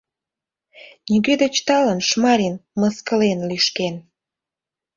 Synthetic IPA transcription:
nʲiɣød̪et͡ɕt̪ɑlənʃmɑɾinməskəlenlyʃken

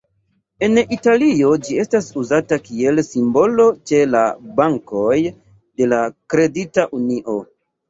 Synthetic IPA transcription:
e̞nitalio̞d͡ʒie̞stasuzatakie̞lsimbo̞lo̞t͡ʃe̞la̰baŋko̞j | de̞lakɾe̞ditaʔuniʔo̞

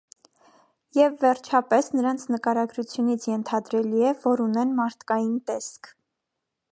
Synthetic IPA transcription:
jɛvːɛɾt͡ʃʰɑpɛsnəɾɑnt͡sʰnəkɑɾɑɡɾut͡sʰjunit͡sʰjɛnt̪ʰɑd̪ɾɛliɛvɔɾunɛnmɑɾt̪ʰkɑjint̪ɛskʰ

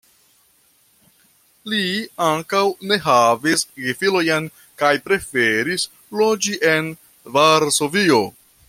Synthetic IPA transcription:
liaŋkawne̞ɦavisɡifilojan | kajpɾe̞fe̞ɾis | lo̞d͡ʒiʔe̞n | vaɾso̞vio̞

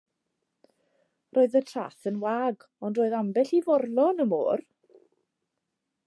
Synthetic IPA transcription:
rʔoːɨðətʰra̰ːθənwaːɡ | ɔndroːɨðambɛɬivɔrlˠɔnəmo̰ːr

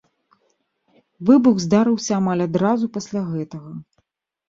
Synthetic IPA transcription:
vɨbuɣzd̪aɾɨwsʲɐːmalʲad̪ɾazupasʲlʲaɣɛt̪ɐɣɐ

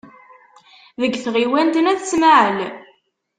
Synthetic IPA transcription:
ðəɡːθʁiwænt̪ənæðt͡sːmaʕəl

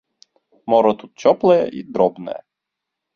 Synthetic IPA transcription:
mɔɾɔt̪ut̪̚t͡ʃɔplˠɛjɛ̰ʔid̪ɾɔbnɛ̰

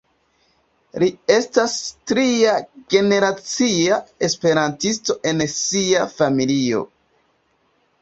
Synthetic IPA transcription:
lie̞stastɾiaɡe̞ne̞ɾat͡siae̞spe̞ɾantisto̞ʔe̞nsiafamilio̞̰

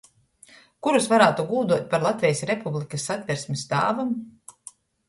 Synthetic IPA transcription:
kuɾusvaɾaːt̪uɡuːd̪uɔt̪̚ʲpaɾlˠat̪vʲɛjsɾɛpublˠikɐsːat̪ʲvʲɛɾsʲmʲisd̪a̰ːvum

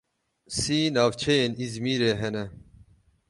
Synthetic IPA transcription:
siːnavt͡ɕʰenizmiːɾeɦene

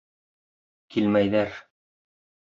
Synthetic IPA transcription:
kʰilmæjðæɾ

